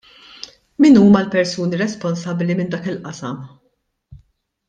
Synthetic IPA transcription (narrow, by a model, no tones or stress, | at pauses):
miːnuːmɐlpɛɾsuːniɾɛspɔnsɐblimɪnd̪ɐːkɪlʔɐsɐm